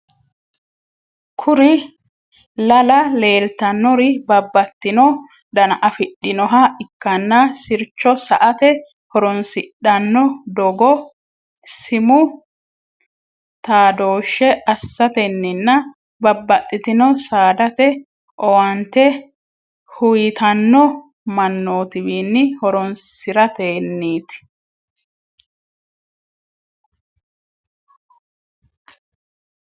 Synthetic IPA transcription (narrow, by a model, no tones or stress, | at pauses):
kʰʊɾɪ | lɐlɐle̞ːlt̪ɐnːɔɾɪbɐbːɐt̪ːɪnɔ | d̪ɐnɐʔɐfɪɗːɪnɔɦɐɪkːɐnːɐsɪɾt͡ʃːɔsɐʔɐt̪ɛ | hɔɾɔnsɪɗɐnːɔd̪ɔɡɔ | sɪmʊ | t̪aːd̪oːʃːɛɐsːɐt̪ɛnːɪnːɐ | bɐbːɐt̪ʼːɪt̪ɪnɔsaːd̪ɐt̪ɛ | ʔɔwɐnt̪ɛ | hʊjɪt̪ɐnːɔ | mɐnːoːt̪ɪbiːnːɪhɔɾɔnsɪɾɐt̪eːnːiːt̪ɪ̥